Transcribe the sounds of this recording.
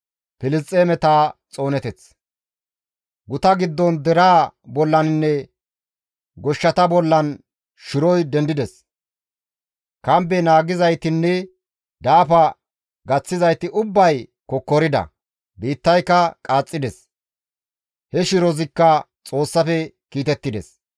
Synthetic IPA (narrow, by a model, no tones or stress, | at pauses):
pɪlɪst͡sʼːeːmɛt̪aːt͡sʼo̞ːnɛt̪ɛt͡s | ɡʊt̪ɐɡɪd̪ːɔnd̪ɛɾaːbɔlːɐnɪnːɛ | ɡɔʃːɐt̪ɐbɔlːɐn | ʃɪɾɔjd̪ɛnd̪ɪd̪ɛs | kɐmbɛnaːɡɪzɐjt̪ɪnːɛ | d̪aːfɐ | ɡɐt͡sːɪzɐjt̪ɪʔʊbːɐjkɔkːɔɾɪd̪ɐ̰ | biːt̪ːɐjkːɐkʼaːt͡sʼːɪd̪ɛs | hɛʃɪɾɔzɪkːɐ | t͡sʼo̞ːsːɐfɛ | kiːt̪ɛt̪ːɪd̪ɛ̰s